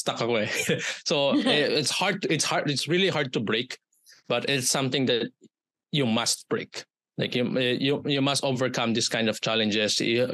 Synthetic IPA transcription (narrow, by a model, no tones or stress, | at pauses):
st̪akakwɛsoɛɪtshaɹd̪̚t̪ɪtshaɹɪtsɹiliɦaɹd̪̚t̪ubɹeɪk | b̥ɐt̪ɪt̪sʌ̃mθɪ̃ŋd̪æt̪̚ | jumɐst̪̚b̥ɹḛɪk | la̰ɪkjujujumɐst̪ovəɹkʌ̃md̪iskãj̃nd̪ɔv̥t͡ʃalɛ̃nd͡ʒɛs